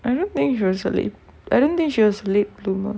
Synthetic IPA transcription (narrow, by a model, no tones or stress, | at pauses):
ʔajdõnt̪ĩŋkʃiwɔsəlḛt̚ | ajdõnt̪ĩŋkʃiwɔsəlet̚blumə